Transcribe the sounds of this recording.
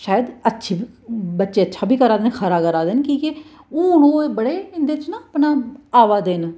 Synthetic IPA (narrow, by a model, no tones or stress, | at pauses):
ʃaːjəd̪ətːʃʰiː | bətːʃeːətːʃʰaːbʱiːkəɾaːd̪enkʰəɾaːkəɾaːd̪enkĩːke | ʊːnoːebəɽeːɪnd̪eːt͡ʃnapnãːaːʋaːd̪eːn